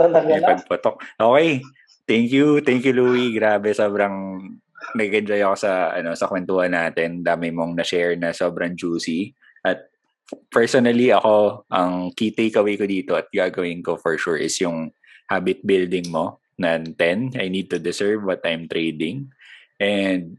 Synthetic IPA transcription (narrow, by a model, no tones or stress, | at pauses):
ɐpɐɡ̚pʊt̪ok̚ʔoːkɛj | t̪ɛŋkjut̪ɛŋkjuluwiɡɾaːbɛsoːbɾɐŋ | nɐɡ̚kɐd͡ʒojɐko̞sɐɐ̰no̞sɐkwɛnt̪uːhɐnːaːt̪ɛnd̪aːmɪmoŋnɐʃɛɹnɐso̞ːbɾɐŋd͡ʒuːsi | ʔɐt̪̚ | pɛɹsonɐliʔɐko̞ʔɐŋkit̪ejkɐwejkod̪iːt̪o̞ɐt̪̚ɡaɡɐwɪnkofɔɹʃuɹʔɪsjʊŋ | haːbɪt̪̚bɪld̪ɪŋmo̞ | nɐnt̪ɛnʔɐjniːd̪̚t̪ʊd̪ɛsɛɹvwɐt̪ɐjmt̪ɾejd̪ɪŋʔɛnd̪̚